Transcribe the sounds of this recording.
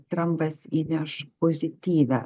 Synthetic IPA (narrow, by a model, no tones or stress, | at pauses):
t̪ɾamvɛsinaʃpɔzit̪ivɛ